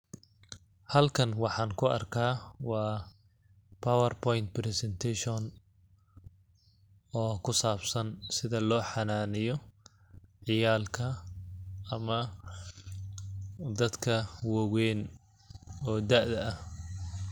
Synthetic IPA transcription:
hɐlkʰɐnwɑħɑːŋkʰʊɐ̰rkʰaːwɑː | pʰɐwɐrpʰɔjnt̪̚pɾɛsɛnt̪ʰɛʃɔn | ɔːkʰʊsaːbsɐnsɪðɐlɔːħɑnaːnɪjɔ | ʕɪjaːlkʰɐː | mɐ | d̪ɐd̪kʰɐwɔwɛːn | ɔːd̪aʔðɐɐh

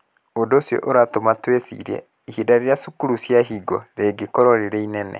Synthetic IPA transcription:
odosjɔ̰ʔoɾatomatwesḭɾɛ̰ | ihidaɾejasukuɾusjaɦiɡɔɾeɡekɔɾɔɾeɾeinɛnɛ̰

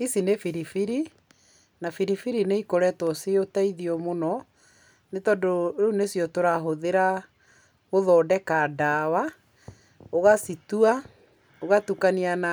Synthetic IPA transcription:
isinefiɾifiɾi | nafiɾifiɾineikoɾɛtɔseotaiðiɔmonɔ | netɔdoenesjɔtoɾaɦoðeɾa | moðɔːdɛkadawa | oɣasitua | oɣatukaniana

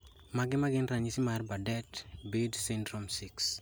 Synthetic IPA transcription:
maɡɪmaɡɪnɾaɲisɪmarbadɛtbedsindɾomsiks

